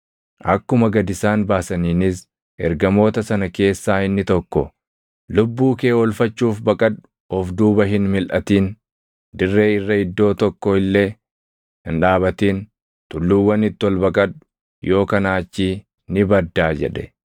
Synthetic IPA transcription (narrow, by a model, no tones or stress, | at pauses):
ʔɐkːʊmɐɡɐd̪ɪsaːnbaːsɐniːnɪs | ʔɛɾɡɐmo̞ːt̪ɐsɐnɐke̞ːsːaːɪnːɪt̪ɔkːɔ | lʊbːuːke̞ːɔlfɐt͡ʃːuːfbɐkʼɐᶑʊ̥ | ɔfd̪uːbɐɦɪnmɪlʔɐt̪iːn | d̪ɪrːe̞ːɪrːɐɪd̪ːo̞ːt̪ɔkːɔɪlːeː | hɪnᶑaːβɐt̪iːn | t̪ʊlːʊwːɐnɪt̪ːɔlbɐkʼɐᶑʊ̥ | jʔo̞ːkɐnaːt͡ʃːi | nɪbɐd̪ːaːd͡ʒɛ̰ᶑɛ